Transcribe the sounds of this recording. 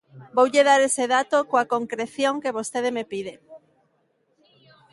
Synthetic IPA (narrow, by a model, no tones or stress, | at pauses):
bowʎeð̞aɾeseðat̪okoakoŋkɾeθjoŋkeβ̞ost̪eð̞emepiðe